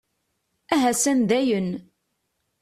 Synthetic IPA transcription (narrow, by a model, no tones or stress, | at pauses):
æɦæsænðæjən